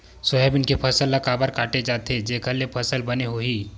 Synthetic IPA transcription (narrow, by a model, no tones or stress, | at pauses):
sɔɦɛbɪnkepʰɐsəlːɐkaːbəɾkaːʈed͡ʒaːt̪ed͡ʒekʰəlːepʰɐsəlbɐneɦoɦiː